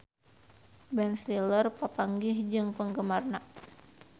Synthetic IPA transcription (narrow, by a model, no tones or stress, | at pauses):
bɛnslilərpapaŋɡɪhd͡ʒɨŋpəŋɡəmarna